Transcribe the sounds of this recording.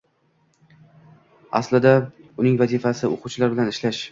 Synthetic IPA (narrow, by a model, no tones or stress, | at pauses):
a̰slɪd̪aʊnɪŋvazifasɪoqʰʊwt͡ʃʰɪlaɾbɪlanɪʃlaʃ